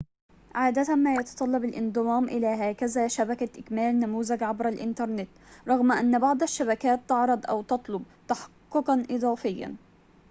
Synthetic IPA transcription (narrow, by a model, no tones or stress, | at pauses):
ʕaːd̪at̪amaːjɑt̪ɑ̥t̪ˤɑlːɑbalʔɪnd̪ˤɨmɑːmʔɪlaːɦaːkazaːʃabakaʔɪkmaːlnamuːzaɡʕabɾalʔɪ̰nt̪ɑɾˤnɪt̪ɾˤɑɣmʔanːbɑʕd̪ˤaʃːaβakaːt̪ːɑʕɾˤɑd̪ˤʔa̰wt̪ɑt̪ˤlʊb̚ | t̪ɑħɑ̥qːʊqɑnʔɨd̪ˤɑːfɪjːa̰n